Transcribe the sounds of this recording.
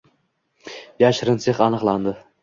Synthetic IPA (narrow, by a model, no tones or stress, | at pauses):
jaʃɾɪnseχanɨqlˠand̪ɪ